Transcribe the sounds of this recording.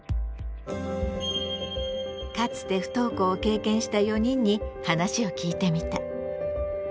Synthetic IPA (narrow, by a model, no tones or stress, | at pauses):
kat͡sɨ̥t̪e̞ɸɯ̟̥t̪o̞ːko̞ːke̞ːkẽ̞ɰ̃ɕi̥t̪ajo̞ɲ̟ĩɲ̟ːihanaɕio̞kʲiːt̪e̞mʲit̪a